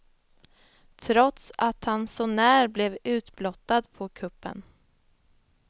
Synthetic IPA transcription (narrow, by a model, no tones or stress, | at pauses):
t̪ʰɾɔt̪sat̪hansɔnæːɾblɛvʉ̟ːt̪blɔt̪ːad̪pʰɔkʰɵpːə̰n